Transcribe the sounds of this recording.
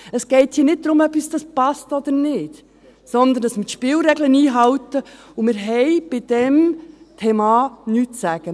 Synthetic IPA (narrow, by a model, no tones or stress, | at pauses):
əsɡ̥ɛɪthiːnɪt̚d̪ɾʊmœpisd̥ɑspɑstɔd̪əɾnɪːt | sɔnd̪ənəsmɪtʃpɪːlɾɛɡləniːɦɑwtə | umɪɾɦɛɪb̥ɪd̥ɛmtʰeːmɑnyːtsæɡ̥ə